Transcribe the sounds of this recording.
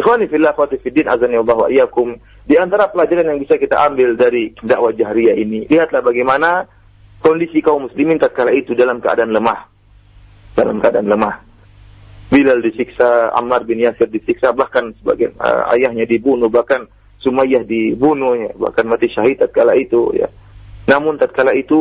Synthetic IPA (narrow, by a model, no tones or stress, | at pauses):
ʔɪxwanifilaxwat̪ɪfidːinʔa̰zaniwalaɦwa̰ʔjakʊm | diant̪aɾapəlad͡ʒaɾanjaŋbisakit̪a̰ʔambɪldaɾidaʔwad͡ʒaɦɾiainiliɦat̪lahbaɡajmana | kɔndisikaumːuslimɪnt̪at̪̚kalait̪udalamkəa̰daʔanləmah | d̥ala̰mkəadaanləmah | bilaldisiksaa̰marbɪnjasɪrdisiksabahkansəba̰ɡajnə̰a̰jahɲadibunubahkan | sumajahdibunʊhja̰ba̰hkanmat̪iʃaɦid̪t̪at̪̚kalait̪uja̰namʊnt̪at̪̚kalait̪u